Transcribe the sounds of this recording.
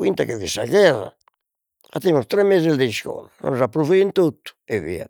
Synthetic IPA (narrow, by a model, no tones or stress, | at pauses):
wint̪akevisaɣɛra̰ | at̪ɛmust̪ɾɛmːezeld̪eiʃkɔ̰lano̰nzapːɾufiint̪ut̪ːu̥evḭa̰